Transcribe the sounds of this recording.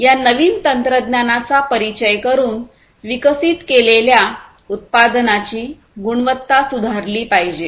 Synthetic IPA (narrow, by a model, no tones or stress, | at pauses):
janəʋiːnt̪ənt̪ɾəd̪njanat͡sapəɾit͡ɕəjkəɾuːn | ʋikəsiːt̪kelelja | ut̪̚pad̪nat͡ɕiː | ɡuɳ̃ʋət̪ːasud̪ʱaɾliːpaɦid͡ʑe